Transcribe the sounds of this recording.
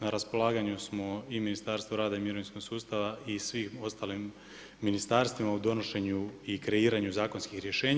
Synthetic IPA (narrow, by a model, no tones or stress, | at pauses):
naɾaspo̞lˠaːɡaɲusmo̞iminist̪aɾst̪ʋoɾaːd̪aimiɾo̞ninsko̞ɡsuːst̪aʋaisʋiːxo̞st̪aːlimː | inist̪aːɾst̪ʋimaud̪o̞no̞ʃe̞ɲuikɾe̞iːɾaɲuzaːko̞nskixɾje̞ʃe̞ːɲ